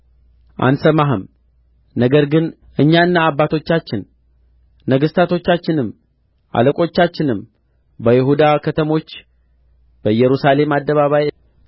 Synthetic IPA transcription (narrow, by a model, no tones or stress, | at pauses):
ʔa̰nsəmaɦɨm | nəɡəɾɡɨn | ʔɨɲːaɨnːaːbːat̪ʰo̞t͡ʃːat͡ʃːɪnː | əɡɨst̪ʰat̪ʰo̞t͡ʃːat͡ʃːɪnɨm | ʔa̰ləkʼo̞t͡ʃːat͡ʃːɪnɨm | bəjɪɦud̪akʰət̪ʰəmo̞t͡ʃː | b̥əjɛɾusale̞mad̪ːəβaβaj